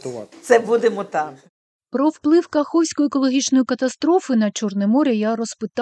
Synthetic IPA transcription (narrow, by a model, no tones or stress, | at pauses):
t̪sɛbud̪emɔt̪ɑm | pɾɔwplˠɪwkɐxɔwsʲkɔjʊekɔlˠɔɦʲit͡ʃnɔjikɐt̪ɐst̪ɾɔfɪnɐt͡ʃɔrnɛmɔɾʲɛjaɾɔspɪt̪